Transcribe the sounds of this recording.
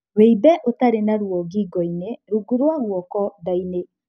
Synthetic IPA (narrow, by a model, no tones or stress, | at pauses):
weibɛʔotaɾenaɾwɔɡiɡɔineɾuɡuɾwaɣwɔkɔdaine